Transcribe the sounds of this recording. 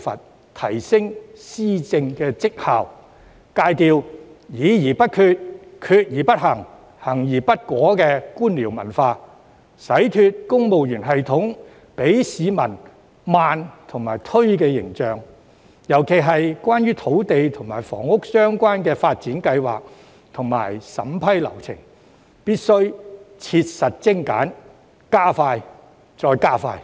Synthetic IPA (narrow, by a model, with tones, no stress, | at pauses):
fɐ̰˨t̚ | t̪ʰɐ˨˩jsɪ˥ŋsiː˥t͡sɪ˧ŋkɛː˧t͡sɪ˥k̚haː˨w | kaː˧jt̪iː˨wjiː˨˧jiː˨˩pɐ˥t̚kʰyː˧t̚kʰyː˧t̚jiː˨˩pɐ˥t̚hɐ˨˩ŋ | hɐ˨˩ŋjiː˨˩pɐ˥t̚kʷɔː˨˥kɛː˧kuː˥nliː˨˩wmɐ̰˨˩nfaː˧ | sɐ˨˥jt̪ʰyː˧t̚kʊ˥ŋmo˨wjyː˨˩nɦɐ˨jt̪ʰʊ˨˥ŋ | pe˨˥jsiː˨˧mɐ˨˩n | maː˨nt̪ʰʊ˨˩ŋmaː˨˩jt̪ʰɵ˥ɥkɛː˧jɪ̰˨˩ŋt͡sœː˨˧ŋ | jɐ˨˩wkʰe˨˩jɦɐ˨jkwaː˥nɥyː˥t̪ʰo˨˥wt̪e˨jt̪ʰʊ˨˩ŋmaː˨˩jfɔ̰ː˨˩ŋʊ˥k̚sœː˥ŋkʷaː˥nkɛː˧faː˧t̚t͡siː˨˥nkɐ˧jwa̰ː˨k̚ | t̪ʰʊ˨˩ŋma̰ː˨˩jsɐ̰˨˥mpʰɐ˥jlɐ̰˨˩wt͡sʰɪ̰˨˩ŋ | piː˥t̚sɵ˥ɥt͡sʰiː˧t̚sɐ˨t̚t͡sɪ˥ŋka̰ː˨˥n | kaː˥faː˧j | t͡sɔː˧jkaː˥faː˧j